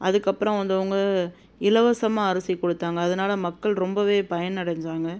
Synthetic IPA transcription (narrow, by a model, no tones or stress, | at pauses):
ʔɐðɯkːɐpːɯɾɐ̃ʋɐnd̪ɯʊŋɡɐ | ɪlɐʋɐsɐmaːɐɾɐsɪkːɔɽɯt̪ːaːŋɡɐːðɐnaːlɐmɐkːɐɭɾɔmbɐʋeːpɐjɐnnɐɽɐɲd͡ʒaːŋɡɐ